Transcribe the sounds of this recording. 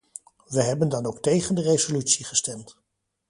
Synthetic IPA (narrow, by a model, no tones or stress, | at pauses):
ʋəɦɛbəndɑnowk̚tejχəndərezolytsiχəstɛmt